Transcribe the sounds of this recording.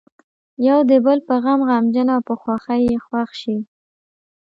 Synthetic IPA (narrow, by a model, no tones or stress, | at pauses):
jawd̪əbəlpəɣamɣɑmd͡ʒənawpəxwaxajexwaxʃi